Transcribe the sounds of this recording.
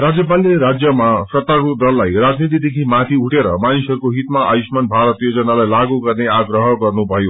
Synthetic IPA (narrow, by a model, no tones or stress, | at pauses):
rad͡zjʌp̬alːeɾad͡zjʌmasʌt̪aɾud̪ʌlːajrad͡znit̪̬id̪ekʰimat̪ʰiuʈeɾʌ̰manisʌɾukoɦit̪maʔa̰jsmanbʱaɾʌt̪jod͡zʌnalajlaɡuɡʌrneaɡrʌɦʌɡʌrnubʱʌjo